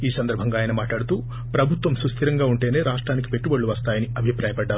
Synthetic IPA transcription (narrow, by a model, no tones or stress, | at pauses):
iːsɐnd̪ɐɾbʱɐŋɡaːjɐnɐmaːʈɭaːɽut̪uː | pɾɐbʱut̪ʋɐmsɾust̪ʰiɾɐŋɡaːuɳʈe̞ːne̞ːɾaːʂʈɾaːnik̬i̥pe̞ʈːubɐɭːuʋɐst̪aːjɐniɐbʱipɾaːjɐpɐɖːaːɾu